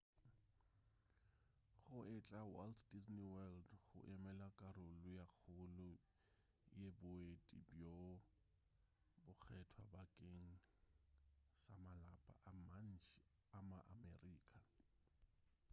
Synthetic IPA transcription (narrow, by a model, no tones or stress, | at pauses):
χʊɪt͡ɬʼawaltʰdisniwɛldχʊ̰ʔɪmɛlakʼarʊlʊjak͡xʰʊlʊ | jebʊetʼibjo | bʊk͡xʰɛtʰwabakʼeŋ̩ | samalapʼa̰ʔaman̩t͡ʃʰ | amaʔa̰mɛriːkʼa